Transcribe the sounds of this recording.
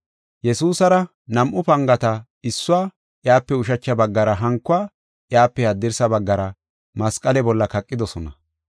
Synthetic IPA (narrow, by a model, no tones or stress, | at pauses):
jɛsuːsɐɾɐ | nɐmʔʊpɐŋɡɐt̪ɐ | ɪsːʊwaː | ʔjaːpːɛʊʃɐt͡ʃːɐbɐɡːɐɾɐɦɐŋkːʊaː | ʔjaːpːɛhɐd̪ːɪɾsɐbɐɡːɐɾɐ | mɐskʼɐlɛbɔlːɐkɐkʼːɪd̪ɔsɔnɐ